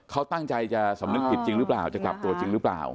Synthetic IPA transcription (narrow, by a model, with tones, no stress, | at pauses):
kʰa˦˥wt̪a˥˩ŋt͡ɕa˧jt͡ɕa˨˩sa˨˩˦mnɯ˦˥k̚pi˨˩t̪̚t͡ɕi˧ŋɾɯ˦˥plaː˨˩wt͡ɕa˨˩kla˨p̚t̪u˧ɐt͡ɕi˧ŋɾɯ˦˥pla̰ː˨˩w